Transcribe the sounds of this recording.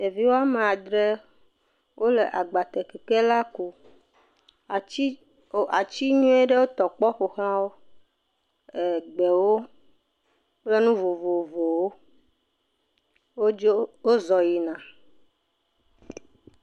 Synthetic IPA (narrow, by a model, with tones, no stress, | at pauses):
e˨vi˦wo˦a˦me˨a˨d̪ɾe˦ | wʔo˦le˨ʔa˨ɡ͡ba˨t̪ɛ˨kɛ˨ke˦la˦ku˨˦˨ | a˨t͡ɕi˦ɲũ˦e˦ɖe˦wo˦t̪ɔ˨k͡pɔ˦ɸo˨xl̃ã˦wo˦ | e˨ɡ͡bɛ˨wo˦ | k͡ple˦nũ˦vo˨vo˨vo˨wo˦ | wwo˦zɔ˨ji˨nã˨